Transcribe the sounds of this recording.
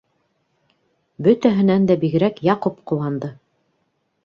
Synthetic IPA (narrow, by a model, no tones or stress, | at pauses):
bɵt̪æɦɘ̆nænd̪æbiɡɘ̆ɾækjɑqopqŭlˠːɑnd̪ɤ